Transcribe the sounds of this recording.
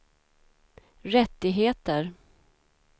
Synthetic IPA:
ɾɛt̪ːɪɡɦeːt̪əɾ

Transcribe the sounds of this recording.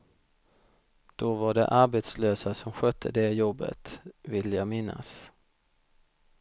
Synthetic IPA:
d̪̥ɔvaɖɛ̰ʔaɾbet̪sløːsasɔmɧœt̪ʰːəd̪ɛjɔbːə̰t̪vɪlːəjɑːɡmɪnːa̰s

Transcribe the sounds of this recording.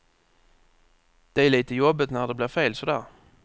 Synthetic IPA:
d̪̥ɛæɭiːt̪əjɔbːət̪næɖɛblɪːɾfeːlsɔd̪æːɾ

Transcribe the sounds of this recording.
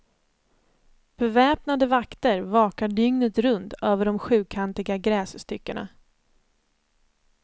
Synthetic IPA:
b̥ɛvɛːpnad̪əvakt̪əɾvɑːkaɖʏŋnət̪ɾɵnt̪øːvəɖɔmɧʉ̟ːkʰant̪ɪɡaɡɾɛːsst̪ʏkːəɳa̰

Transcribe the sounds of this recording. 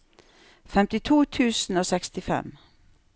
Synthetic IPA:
fɛmt̪ɪt̪ʰuːt̪ʰʉːsn̩oːsɛkst̪ɪfɛ̰m

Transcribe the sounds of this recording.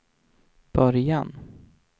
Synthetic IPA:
b̥œɾjan

